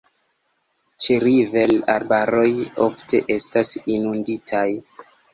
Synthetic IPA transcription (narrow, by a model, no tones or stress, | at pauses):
t͡ʃeɾive̞laɾbaɾo̞jo̞̰fte̞̰ʔe̞stasinunditʰaj